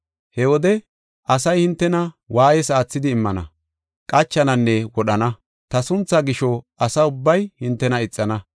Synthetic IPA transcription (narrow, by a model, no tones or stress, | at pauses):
hɛwɔd̪ɛ | ɐsɐjhɪnt̪ːɛnɐ | waːjɛsaːt͡sːɪd̪ɪːmːɐnɐ̰ | kʼɐt͡ʃːɐnɐnːɛwɔɗɐnɐ | t̪ɐsʊnt͡sːɐɡɪʃɔ | ɐsɐʊbːɐjhɪnt̪ːɛnɐɪt͡sʼːɐnɐ